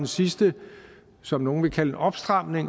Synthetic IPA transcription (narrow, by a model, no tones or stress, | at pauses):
ensisd̥ə | sɒ̽mno̝ːn̩ʋe̝kʰæləeʔɒ̽b̥sd̥ʁɑ̈m̰ne̝ŋ